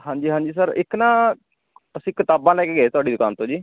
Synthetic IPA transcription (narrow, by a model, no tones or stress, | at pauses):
hãːɲd͡ʒiːɦãːɲd͡ʒiːsəɾɪknaː | əsĩːkɪt̪aːbãːlɛːkeːɡeːet̪ʊaːɖiːd̪kaːnt̪õːd͡ʒiː